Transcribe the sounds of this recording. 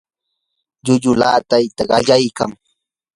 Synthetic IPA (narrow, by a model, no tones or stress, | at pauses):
ʎʊʎʊla̰ːt̪ajt̪aɢɑʎajkaŋ